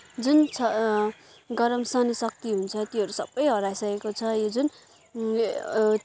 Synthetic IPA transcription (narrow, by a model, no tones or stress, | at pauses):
d͡zunt͡sʰʌ | ɡʌɾʌmsʌnisʌk̚t̪iɦunt͡sʰʌt̪iɦʌɾusʌbːʌjɦʌɾajsʌkekot͡sʰʌjod͡zun